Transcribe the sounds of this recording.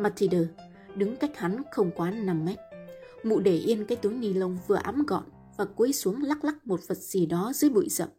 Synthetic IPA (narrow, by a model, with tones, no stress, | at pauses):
maː˧t̪ʰi˧ɗəː˧˩ | ɗɨ˨˦ŋka˦˥jk̟̚ha˨˦nxə˧wŋ͡mkwaː˨˦na˨˧˩mːɛ˦˥t̚ | mṵ˧˨ɗe˧˩ʔi˧ənkaː˨˦jt̪u˨˦əŋni˧˩lə˧wŋ͡mvɨ˨˩əʔa˨˦mɣɔ̰˧˨n | vaː˨˩ku˨˦jsu˨˦əŋla˦˥k̚la˦˥k̚mo˨˩t̚və˨˩t̚z̥i˨˩ɗɔ˨˦zɨ̰˨˦jɓṵ˧˨jzə̰˧˨mʔ